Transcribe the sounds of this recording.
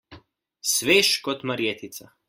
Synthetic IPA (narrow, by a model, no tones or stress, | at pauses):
sʋeːʃkɔt̪maɾjet̪it̪sa